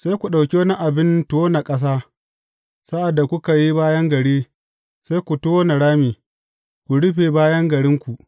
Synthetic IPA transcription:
sa˦jkʷu˨ɗa˨wkʲe˦wna˦ʔa˨bɪ˦ntoː˦na˨kʼɐ˦s̬aː˦ | sa˦ʔa˨dːa˨kʷʊ˦ka˨ji˦baː˦jɐ˦ŋɡɐ˨ɽeː˦ | sa˦kʷu˨toː˦na˨ɽaː˦miː˨ | kʷu˨ɽʊ˦ɸeː˨baː˦jɐ˦ŋɡɐ˨ɽɪ˦ŋkʷu˨ʔ

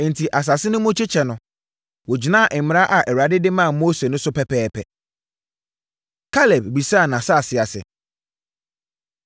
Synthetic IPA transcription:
n̩˨tʰi˨ʔa˨s̬a˨sɪ˦nʊ̃˦mʊ̃˦t͡ɕʰi˦t͡ɕʰɛ˨nʊ̃˨ | wɔ˨d͡ʑi˨nã˦˨ʔɪ˨m̩˨m̃˨ɾa˦ʔa˨ʔɛ˨wa˨dɪ˦dɪ˦mã˦˨mo˦se˨nʊ̃˦sʊ˦pʰɛ˦˨pʰɛː˦pʰɛ˨ | kʰa˦lɛ˨b̚bi˨sa˦˨nã˨sa˦a˨sɪ˨a˨sɪ̰˨

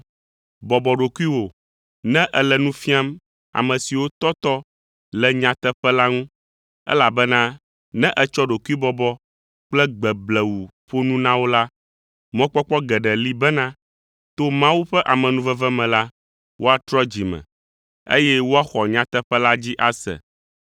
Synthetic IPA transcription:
bɔ˨bɔ˨ɖo˨ku˦i˦wo˨ | nɛ̃˦ʔɛ˨lɛ˨nũ˦fi˦a˦m | a̰˨mɛ̃˨si˨wo˦t̪ɔ˦t̪ɔ˦ | lɛ˨ɲã˦t̪ɛ˦ɸɛ˦la˦ŋũ˦ | ɛ̰˦la˨bɛ˦nã˦ | nɛ̃˦ʔɛ˦t͡ʃɔ˦ɖo˨ku˦i˦bɔ˨bɔ˦ | k͡plɛ˦ɡ͡bɛ˨blɛ˨wu˨ | ɸo˦nũ˦nã˦wo˦la˦ | mɔ̃˦k͡pɔ˦k͡pɔ˦ɡɛ˨ɖɛ˨li˦bɛ˦nã˦ | t̪o˦mã˦wu˦ɸɛ˦ʔa˨mɛ̃˨nũ˦vɛ˦vɛ˦mɛ̃˨la˦ | wo˦a˨t̪ɾɔ˦d͡ʑi˨mɛ̰̃˨ | ḛ˦jɛ˦wo˦a˦xɔ˨ɲã˨t̪ɛ˦ɸɛ˦la˦d͡ʑi˦ʔa˦sɛ̰˨

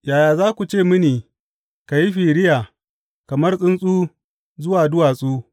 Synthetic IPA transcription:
jaː˨jaː˨zaː˦kʷu˨t͡ʃeː˦˨mɪ˦niː˨ | ka˨ji˦ɸiː˨ɽɪ˦jaː˨ | kɐ˨mɐ˦rsʼɪ˦nsʼuː˦ | zʊ˦waː˨dʊ˦waː˨sʼuː˦

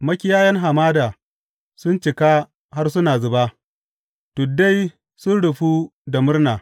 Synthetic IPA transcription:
mɐ˦kʲɪ˦jaː˦jɐ˦ŋɦa˨maː˦daː˨ | sʊ˦nt͡ʃɪ˨ka˦ | ha˦rs̬ʊ˦naː˨zʊ˨ba˦ | tu˨da˦j | sʊ˦nɽʊ˨ɸuː˦da˨mʊ˦rnaː˨

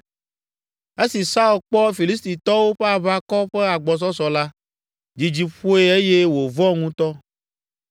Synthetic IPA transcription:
e˦si˨sa˦u˨lk͡pɔ˦fi˨li˦s̬t̪i˨t̪ɔ˦wo˦ɸe˦a˨βa˦kɔ˦ɸe˦a˨ɡ͡bɔ˨s̬ɔ˦sɔ˨la˦ | d͡ʑi˨d͡ʑi˨ɸo˦e˦e˦je˦wo˨vɔ˦ŋũ˦t̪ɔ˦

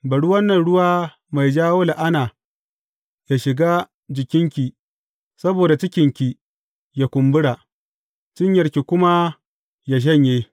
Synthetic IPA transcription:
bɐ˨ɽu˦wɐ˦nːɐ˨nɽʊ˦waː˦ | ma˨jd͡ʒaː˦wo˦la˨ʔa˦naː˨ | ja˨ʃɪ˨ɡaː˦ | d͡ʒɪ˨kʲɪ˦ŋkʲi˨ | sɐ˦boː˨da˨t͡ʃɪ˦kʲɪ˨ŋkʲi˨ | ja˨kʷʊ˨mbʊ˦ɽa˨ʔ | t͡ʃɪ˦ɲjɐ˨rkʲi˨kʷʊ˦ma˦ | ja˨ʃ̬ɐ˦ɲjeː˦

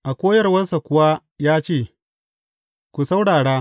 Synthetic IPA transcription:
ʔa˨kʷoː˦jɐ˦rwɐ˦sa˨kʷʊ˨waː˦ | jaː˦t͡ʃeː˦˨ | kʷu˨sa˦wɽaː˨ɽaː˦

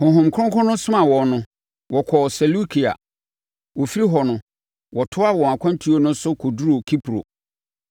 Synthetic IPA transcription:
hʊ̃˨ɦʊ̃˨m˨kʰʊ̃˦kʰɔ̃˦nʊ̃˦sʊ̃˦mã˨wɔ˨nʊ̃˨ | wɔ˨kʰɔ˨sɛ˨lu˦kʰi˨a̰˨ | wɔ˨fi˦ɾi˦ɦɔ˨nʊ̃˨ | wɔ˨tʰʊ˦a˦wɔ̃˨a˨kʷʰã˦n˦tʰi˦o˦nʊ̃˦sʊ˦kʰo˨du˦ɾo˨kʰi˦pʰɾo̰˨

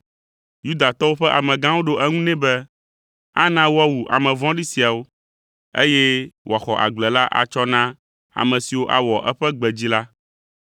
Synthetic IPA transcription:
ju˦d̪a˨t̪ɔ˦wo˦ɸɛ˦ʔa˨mɛ̃˨ɡã˦wo˦ɖo˦ʔɛ˦ŋũ˦nɛ̃˦bɛ˦ | a˦nã˦wo˦a˦wu˨ʔa̰˨mɛ̃˨vɔ̃˦ɖi˦si˨a˨wo˦ | ḛ˦jɛ˦wʔo˨a˨xɔ˨ʔa̰˨ɡ͡blɛ˨la˦ʔa̰˨t͡ʃɔ˦nã˦ | a̰˨mɛ̃˨si˨wo˦ʔa̰˦wɔ˨ʔɛ˦ɸɛ˦ɡ͡bɛ˨d͡ʑi˦la˦

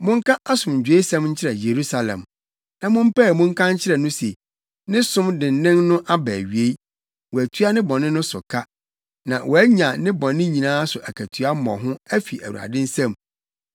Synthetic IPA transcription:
mʊ̃˦ŋ˦kʰa˦ʔa˦sʊ̃˨mɲ̩˨d͡ʑᶣe˦sɛ̃˦mɲ̩˦t͡ɕʰɪ˦ɾɛ˨je˨ɾu˦sa˨lɛ̰̃˨m | nã˨mʊ̃˦m̩˦pɛ˦˨mʊ̃˦ŋ̩˦kʰã˦ɲ˦t͡ɕʰɪ˦ɾɛ˨nʊ̃˦se˨ | nɪ̃˦sʊ̃˦mdɪ̃˨n˨nɪ̃˦nnʊ̃˦ʔa˦bæː˨ɥi˨e˦ | wɔ˨æ˨tʰɥa˦nɪ̃˦bɔ̃˨nɪ̃˦nʊ̃˦sʊ˨kʰa˦ | nã˨wʔɔ˨æ˦ɲã˨nɪ̃˦bɔ̃˨nɪ̃˦ɲĩ˨nãː˦sʊ˨ʔæ˨kʰæ˨tʰɥa˦m˦mɔ̰̃˨ɦʊ̃˦æ˦fi˨ʔæ˨wṵ˨a̰˨dɪ̃˦n̩˦sɛ̃˦˨m

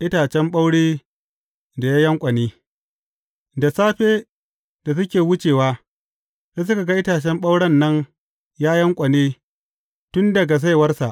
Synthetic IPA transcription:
ʔɪ˦taː˨t͡ʃɛ˦mɓa˦wɽeː˦ | da˨jaː˦jɐ˦ŋkʷʼɐ˨neː˦ | da˨saː˦ɸeː˦ | d̥a˨s̬ʊ˦kʲeː˨wʊ˦t͡ʃeː˨waː˦ | seː˦s̬ʊ˦ka˨ɡa˦ʔɪ˦taː˨t͡ʃɛ˦mɓa˦wɽɐ˦nːɐ˦ŋ | jaː˦jɐ˦ŋkʷʼɐ˨neː˦ | tʊ˦ndɐ˨ɡa˨s̬a˦jwɐ˦rsa˨ʔ

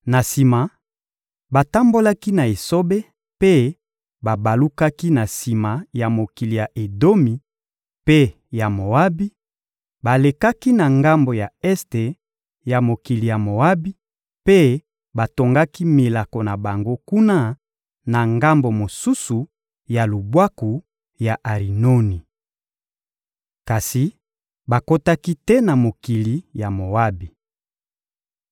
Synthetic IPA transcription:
na˨si˨ma˨ | ba˨ta˦mbo˦la˦ki˦na˨e˨so˦be˦ | pe˦ | ba˨ba˨lu˦ka˦ki˦na˨si˨ma˨ja˨mo˨ki˨li˨ja˨ʔe˨do˦mi˨ | pe˦ | ja˨mo˨a˦bi˦ | ba˨le˨ka˦ki˦na˨ŋɡa˦mbo˨ja˨ɛ˦ste˨ | ja˨mo˨ki˨li˨ja˨mo˨a˦bi˦ | pe˦ | ba˨to˨ŋɡa˦ki˦mi˨la˨ko˨na˨ba˨ŋɡo˦ku˦na˦ | na˨ŋɡa˦mbo˨mo˨su˦su˨ | ja˨lu˨bwa˦ku˨ | ja˨ʔa˨ʁi˨no˦ni˨ | ka˨si˨ | ba˨ko˦ta˦ki˦tɛ˦na˨mo˨ki˨li˨ja˨mo˨a˦bi˨

